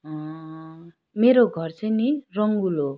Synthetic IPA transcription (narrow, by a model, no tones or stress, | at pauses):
ʌ̃ | meɾoɡʱʌrt͡sʰʌ̃jnirʌŋɡulo